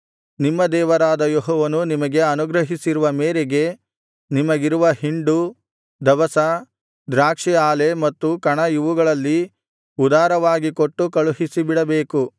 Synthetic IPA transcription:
nimːɐd̪ɛːʋɐɾaːd̪ɐjoɦɔːʋɐnunimɐɡe̞ɐnuɡɾɐɦisiɾuʋɐmeːɾeɡe̞ | nimɐɡiɾuʋɐɦiɳɖu | d̪ɐʋɐsɐ | d̪ɾaːkʂiaːle̞mɐt̪ːukɐɳɐjuʋuɡɐɭɐlːi | ud̪aːɾɐʋaːɡikoʈːukɐɭuɦisibiɽɐbeːku

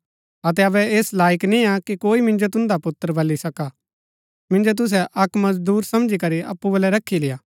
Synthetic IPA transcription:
ɐt̪̬ɛɐbɛeːslaːɪknĩakikoːimɪ̃nd͡ʒot̪̬ʊ̃nd̪apʊt̪ːəɾbʱɐlːisɐka | mɪ̃nd͡ʒot̪̬ʊs̬ɛʔɐkmɐsd̪uːɾsɐmd͡ʒikɐɾiʔɐ̰pːubɐlɛɾɐkʰːilɪjaː

